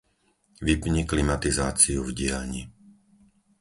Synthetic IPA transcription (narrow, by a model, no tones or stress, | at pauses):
ʋipɲiklimat̪izaːt͡siuvɟɪalɲi